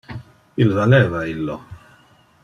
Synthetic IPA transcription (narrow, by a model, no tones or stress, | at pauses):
ilvalɛːvailːɔ